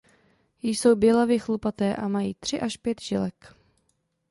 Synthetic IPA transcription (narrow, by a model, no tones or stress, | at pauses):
jɪso̞wbjɛlavɪxlupat̪ɛːʔamajiːt̪r̝̥ɪʔaʃpjɛt̪ʒɪlɛk